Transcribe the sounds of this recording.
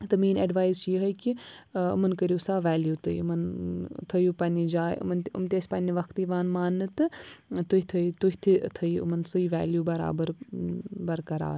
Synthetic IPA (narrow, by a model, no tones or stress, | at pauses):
t̪ɐmiːnɐɖʋaːjzt͡ʃijɦɐkiʊ̰mɐnkɐɾjuːsaːʋɛːljuːt̪ɨiʊmɐnt̪ʰɐjuːpɐnid͡ʒaːjʊ̰mnʊ̰mt̪ʲeːsʲpɐnʲiʋɐkt̪iːʋaːnmaːnːɨt̪ɨt̪uɦit̪ʰɐit̪uɦit̪ʰit̪ʰɐiʊ̰mɐnsɨiʋɛ̰ːljuːbɐɾa̰ːbəɾ | bɐɾkɐɾa̰ː